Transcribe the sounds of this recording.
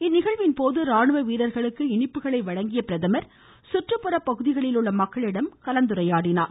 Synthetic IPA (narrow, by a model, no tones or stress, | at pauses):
ɪnːɪɣɐɭʋɪnpoːðɯɾaːɳɯʋɐʋiːɾɐɾɣɐɭɯkːɯɪɳɪpːɯɣɐɭɐɪʋɐɻɐŋɡɪjɐpɪɾɐðɐmɐɾ | sʊʈrɯpːɯɾɐpːɐɣɯðɪɣɐɭɪlɯɭːɐmɐkːɐɭɪɽɐmkɐlɐnd̪ɯɾɐjaːɽɪnaːɾ